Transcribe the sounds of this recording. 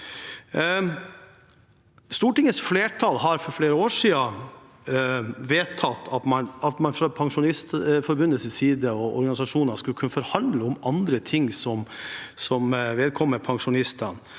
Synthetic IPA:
st̪uːʈɪŋəsfleːʈʰɑlɦɑɾfɔɾfleːɾəoːʂiːɑ | ʋeːt̪ʰɑt̪ʰːɑt̪mɑnɑt̪mɑnfɾɑpʰɑŋʂʊnɪst̪fɔɾbʉnəlsəsiːd̪əɔɔ̰ɾɡɑnɪsɑʂuːnɑʂkʉlkʰʉnːəfɔɾhɑnd̪ləʊmɑnd̪ɾət̪ʰɪŋsɔmsɔmʋeːd̪̚kʰɔmːəɾpʰɑŋʂʊnɪst̪ən

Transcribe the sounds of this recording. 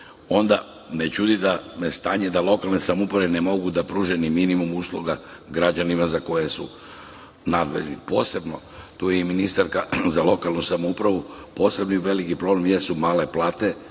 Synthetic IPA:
o̞nd̪a | net͡ʃud̪id̪amest̪aːɲed̪alˠo̞kalˠnesamupɾaʋenemo̞ɡud̪apɾuːʒeniminimumuslˠuɡaɡɾad͡ʑanimazako̞jesu | nad̪ʋḛʎnḭpo̞ːse̞bno̞ | t̪ujeiminist̪aɾkazalˠo̞kalˠnusamupɾaʋupo̞ːse̞bniʋe̞likipɾo̞blemjesumaːle̞plaːt̪e̞

